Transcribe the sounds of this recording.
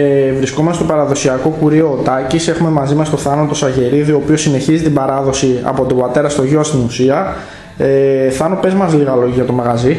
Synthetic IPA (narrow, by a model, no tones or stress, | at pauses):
evɾisko̞mɐst̪opɐɾɐðo̞siɐko̞kuɾio̞t̪ɐcise̞xume̞mɐzimɐst̪o̞θɐnot̪o̞sɐʝe̞ɾiðio̞ːpio̞sine̞çizit̪imbɐɾɐðo̞siɐ̰po̞t̪o̞bɐt̪e̞ɾɐst̪o̞ʝo̞st̪inusiɐ | eθɐno̞pe̞zmɐzliɣɐlo̞ʝiʝɐt̪o̞mɐɣɐzi